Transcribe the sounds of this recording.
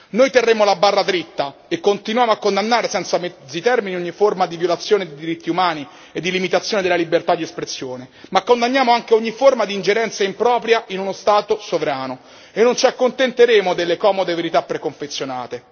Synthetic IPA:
nojt̪erːeːmolabːarːad̪ɾit̪ːaekːont̪inwjaːmoakːond̪anːaːɾesɛnt̪samɛzːit̪ɛrminioɲːiformad̪ivjolat̪sːjoːned̪ed̪iɾit̪ːiumaːni | ed̪ːilimit̪at̪sjoːned̪elalibert̪ad̪iespɾesːjoːnemakːond̪anːjaːmoaŋk̟eoɲːiformad̪iːnd͡ʒeɾɛnt̪saimpɾɔːpɾjaʔinunost̪aːt̪osovɾaːno | enːont͡ʃiakːont̪ent̪eɾeːmod̪elːekɔːmod̪eveɾit̪apːɾekoɱfet̪sːjonaːt̪e

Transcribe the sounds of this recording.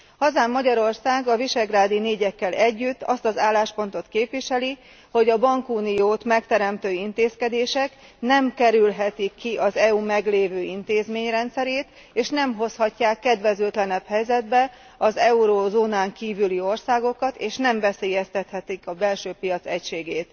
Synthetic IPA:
hɒzaːmːɒɟɒɾo̞rsaːɡɒviʃɛɡraːd̪ineːɟɛkːɛlɛɟːyt̪ːɒst̪ɒzaːlːaːʃpo̞nt̪o̞t̪keːpʋiʃɛli | ho̞ɟɒbɒŋkuːnijoːt̪mɛkt̪ɛɾɛmt̪øːint̪eːskɛd̪eːʃɛk | nɛmkɛɾylɦɛt̪ikːiʔɒzɛuːmɛɡleːvøːint̪eːzmeːɲrɛnt̪sɛɾeːt̪ | eːʃnɛmɦo̞shɒcːaːkːɛd̪vɛzylt̪lɛnɛphɛjzɛd̪bɛ | ɒzɛuɾoːzoːnaːŋkiːvylio̞rsaːɡo̞kɒt̪eːʃnɛɱvɛseːjɛst̪ɛt̪hɛt̪ikɒbɛlʃøːpijɒt̪sɛcʃeːɡeːt̪

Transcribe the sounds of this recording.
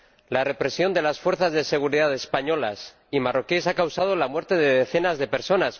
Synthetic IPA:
lare̞pɾe̞sjo̞nd̪e̞lasfwe̞ɾθazðe̞se̞ɣ̞uɾiðaðe̞spaɲo̞las | imaro̞kesakawsað̞olamwe̞ɾt̪e̞ðeðeθe̞nazðe̞pe̞ɾso̞nas

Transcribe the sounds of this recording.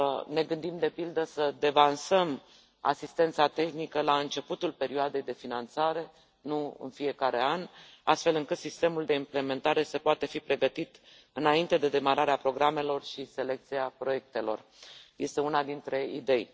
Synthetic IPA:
ne̞ɡɨnd̪imd̪e̞pild̪əsəd̪e̞vansəm | a̰sist̪e̞nt̪sat̪e̞xnikəlaɨnt͡ʃe̞put̪ulpe̞ɾioad̪e̞jd̪e̞finant̪saɾe̞ | nuɨ̰nfie̞kaɾe̞ana̰st̪fe̞lɨŋkɨt̪sist̪e̞muld̪e̞imple̞me̞nt̪aɾe̞səpoat̪e̞fipɾe̞ɡət̪it̪ | ɨnaint̪e̞d̪e̞d̪e̞maɾaɾeapɾo̞ɡɾame̞lo̞rʃise̞le̞k̚t̪siapɾo̞je̞k̚t̪e̞lo̞̰r | je̞st̪e̞unad̪int̪ɾe̞id̪e̞j

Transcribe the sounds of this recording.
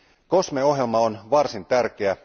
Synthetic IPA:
ko̞smeo̞ɦjelmɑonʋɑrsint̪ærkeæ

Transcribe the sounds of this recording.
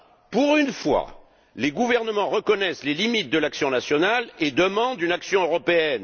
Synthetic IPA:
puʁynfwa̰ | leɡuvɛʁnəmɑ̃ʁəkɔnɛslelimit̪̚d̪əlaksjɔ̃nasjɔnaled̪əmɑ̃d̪ynaksjɔ̃øʁɔpeɛn

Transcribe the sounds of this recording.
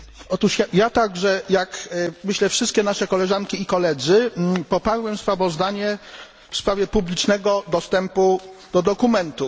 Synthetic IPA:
ɔt̪uʂjajat̪aɡʐɛjakmɘɕlɛfʂɘst̪kʲɛnaʂɛkɔlɛʐankʲiikɔlɛd̪zɘpɔpaɾwɛmspɾavɔzd̪aɲɛ | fspɾavʲjɛpublʲit͡ʂnɛɡɔd̪ɔst̪ɛmpud̪̥ɔd̪ɔkumɛnt̪u

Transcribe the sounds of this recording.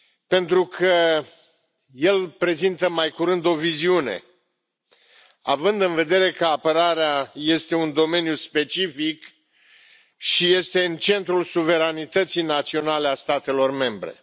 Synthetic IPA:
pe̞nt̪ɾukʰə | je̞lpɾe̞zint̪əmajkuɾɨnd̪o̞viziune̞̰ | a̰vɨnd̪ɨnve̞d̪e̞ɾe̞kəapəɾaɾeaje̞st̪e̞und̪o̞me̞njuspe̞t͡ʃifik | ʃije̞st̪e̞ɨnt͡ʃe̞nt̪ɾulsuve̞ɾanit̪ət̪sijnat̪sio̞nale̞ast̪at̪e̞lo̞rme̞mbɾe̞̰

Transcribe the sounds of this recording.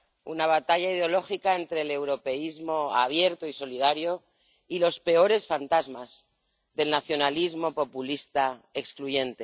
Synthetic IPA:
ṵnaβ̞at̪aʎaið̞eo̞lo̞xikae̞nt̪ɾe̞ːle̞wɾo̞pe̞izmo̞a̰β̞je̞ɾt̪oiso̞lið̞aɾjo̞ | ilo̞spe̞o̞ɾe̞sfant̪azmaz̥ | ðe̞lnaθjo̞nalizmo̞po̞pulist̪ae̞kskluʝe̞nt̪e̞

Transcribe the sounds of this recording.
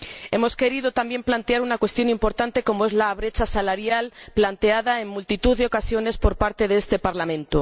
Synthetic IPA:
e̞mo̞ske̞ɾiðot̪ambjemplant̪eaɾunakwe̞st̪jo̞nimpo̞ɾt̪ant̪e̞ko̞moe̞zlaβɾe̞t͡ʃasalaɾjalplant̪eaðae̞ŋmult̪it̪uðeo̞kasjo̞ne̞spo̞ɾpaɾt̪e̞ðeest̪e̞paɾlamẽ̞nt̪o

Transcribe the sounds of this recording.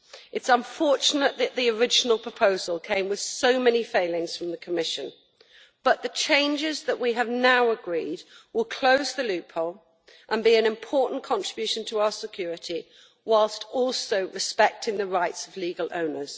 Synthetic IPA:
ɨtsə̃ɱfɔɹt͡ʃənəʔðɨʔðiəɹɪd͡ʒənəl̩ˠpʰɹ̥əpʰoʊzəlˠkʰẽɪ̃mwɨð̥soʊmɛnifeɪlɪ̃ŋz̥fɹʌ̃mðəkʰəmɪʃɨ̃n | b̥ʌʔ̪ðɨt͡ʃʰẽɪ̃nd͡ʒɪzðəʔwiəvnaʊəɡɹiːd̚wɪlˠkʰl̥oʊzðəlʉˑpʰəʊlˠ | ʔə̃nbiɨ̃nɨ̃mpʰɔˑʔn̩kʰɒ̃nt͡ʃɹ̥ɪbjʉˑʃə̃n̩tʰəaʊəsɪkʰj̥ɔːɹɪtʰi | waɪlˠstɔˑlˠsoʊɹɨspɛk̚tʰɪ̃ŋðəɹaɪtsəvliɡəlˠõ̰ʊ̃nə˞z̥

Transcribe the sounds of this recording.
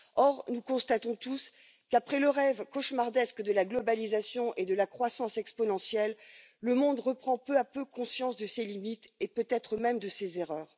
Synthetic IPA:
ɔʁnukɔ̃st̪at̪ɔ̃t̪us | kapχɛləʁɛvkɔʃmaʁd̪ɛskd̪əlaɡlɔbalizasjɔ̃ʔed̪əlakχwasɑ̃sɛkspɔnɑ̃sjɛlː | əmɔ̃d̪ʁəpχɑ̃pøapøkɔ̃sjɑ̃sd̪əselimit̪epøt̪ɛt̪χəmɛmd̪əsezeʁœːʁ

